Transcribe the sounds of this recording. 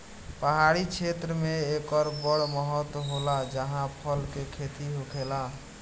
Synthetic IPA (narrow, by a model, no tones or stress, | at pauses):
pəɦaɽit͡ʃʰet̪ɾəmeekəɾbəɽməɦət̪ɦolad͡ʒəɦãpʰəlkekʰet̪iɦokʰela